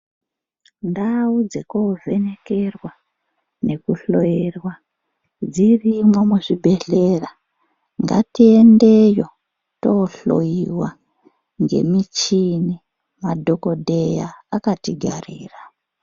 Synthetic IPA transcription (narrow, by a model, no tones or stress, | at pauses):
ndaud͡zekovʱe̞ne̞ke̞rwa | ne̞kuɬo̞jerwa | d͡zirimwomuʐibʱe̞ɮe̞ra | ŋɡa̰tiendejo̞ | toɬo̞̰jiwa | ŋɡe̞̰mit͡ʃini | madʱo̞ko̞dʱe̞jaːkatiɡʱa̰riːra